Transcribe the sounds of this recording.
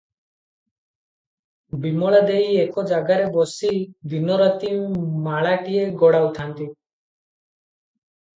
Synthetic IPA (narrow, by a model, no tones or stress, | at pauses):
bimɔɭad̪eiekɔd͡ʒaɡaɾebɔsid̪inɔɾɔt̪imaɭaʈieɡɔɽawt̪ʰant̪i